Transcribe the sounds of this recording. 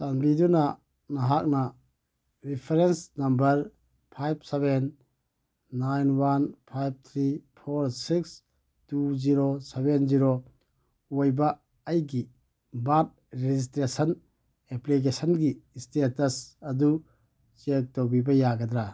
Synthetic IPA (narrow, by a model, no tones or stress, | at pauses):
sanbiduna | naɦak̚na | ɾipʰeɾensnɐmbɐɾ | pʰajb̚sebenː | ajnwanpʰajb̚t̪ʰɾipʰoɾsiks | tuziɾosebenziɾo | ojbaː | jɡi | bat̚ɾezistɾesən | eplik̬esənɡistetɐsɐdu | t͡ʃek̚towbibɐjaɡad̪ɾa